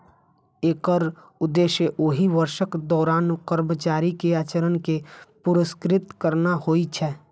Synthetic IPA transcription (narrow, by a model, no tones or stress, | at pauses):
eːkəɾ | ʊd̪ːeːʃjəʔoɦiʋəɾʃəkd̪ɔːɾaːnkəɾmət͡ʃaːɾikeaːt͡ʃəɾənkepʊɾɪskɾɪt̪kəɾnahoːit͡ʃʰɛː